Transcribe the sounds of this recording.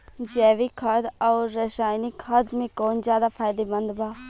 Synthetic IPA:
d͡ʒɛːʋikʰəd̪ɔːɾːəsaːjnikʰəd̪mẽkoːnzjaːd̪apʰaːɪd̪ebə̃nd̪baː

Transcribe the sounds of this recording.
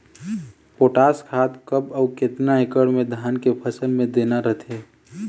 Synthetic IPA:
poːʈaːskʰaːt̪kəbɔːkɪt̪naekəɽmẽd̪ʱaːnkepʰəsəlmẽd̪eːnaɾəɦt̪ʰeː

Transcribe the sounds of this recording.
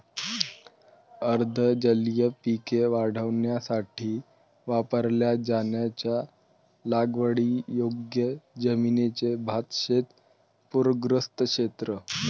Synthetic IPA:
əɾd̪ʱəd͡ʑəljəpikeʋaɽ̤əʋɳjasaʈʰiː | ʋapəɾljad͡ʑanjat͡ɕja | laɡʋəɽijoɡjəd͡zəminet͡sebʱat̪ɕet̪ | puɾɡɾəst̪əkʂet̪ɾə

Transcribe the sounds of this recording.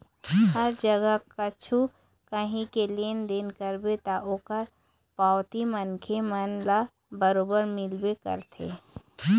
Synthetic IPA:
həɾd͡ʒəɡəkɐt͡ʃʰu | kɐɦĩkeleːnd̪eːnkəɾbet̪aʔoːkəɾ | paːwt̪imənkʰemənla | bəɾoːbəɾmɪlbekə̰ɾt̪ʰḛː

